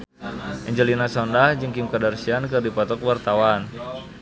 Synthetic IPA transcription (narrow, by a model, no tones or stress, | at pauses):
ʔɛɲd͡ʒəlinasɔndahd͡ʒɨŋkimkadarsiankɨrdipɔt̪ɔkwart̪awan